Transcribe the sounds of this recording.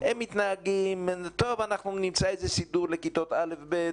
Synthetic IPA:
hemːit̪naaɡimt̪ovanaχnunimt͡saezesid̪uʁlekit̪ot̪alefbe

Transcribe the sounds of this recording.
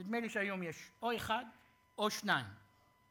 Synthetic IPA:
id̪meliʃeajo̞mjeʃoeχad̪ | oʃnaim

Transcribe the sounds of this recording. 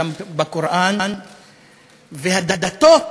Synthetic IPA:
ambakuɾʔann | vehad̪ad̪at̪o

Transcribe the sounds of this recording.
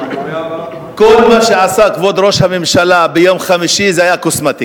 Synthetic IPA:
kolmaʃeʕasakvod̪ɾo̞ʃhamemʃalabejomχamiʃizehajakosmat̪i

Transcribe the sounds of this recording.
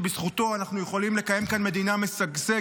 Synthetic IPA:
bisχuto̞anaχnujeχo̞limle̞kaje̞mkanme̞d̪iname̞saɡze

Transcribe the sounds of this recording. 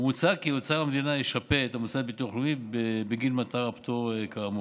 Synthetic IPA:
mut͡sakiot͡saamd̪inaiʃapeet̪amut͡sabit̪uaχlumibebeɡilmat̪aʁapt̪oekaamo

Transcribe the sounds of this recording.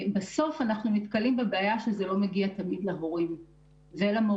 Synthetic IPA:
beso̞fanaχnumit̪kalimbebeajaʃezelo̞meɡiat̪ɐmid̪leɦo̞ʁim | velamo

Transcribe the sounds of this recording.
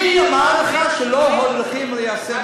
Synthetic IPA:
iamaaləχaʃeloɦod̪ʁiχimlejase

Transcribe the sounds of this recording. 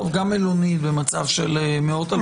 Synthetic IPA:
vɡamelonit̪̚bemat͡savʃelmeot̪a

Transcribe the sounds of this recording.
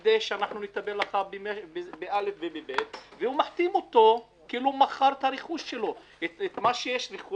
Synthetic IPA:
d̪ejʃeanaħnunet̪abeɾlaχabemebebeʔalefvebebet̪veumaħt̪imot̪o̞ | kiiːlumaχaɾt̪aɾeχuʃʃelo̞ | et̪et̪maʃejeʃɾiχu

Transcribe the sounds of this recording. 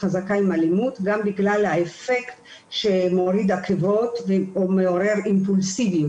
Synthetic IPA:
χazakaimalimut̪ɡambiɡlalhaefe̞kt̪ | ʃemoʁid̪akevo̞t̪veomeo̞ʁe̞ʁimpulsiviju

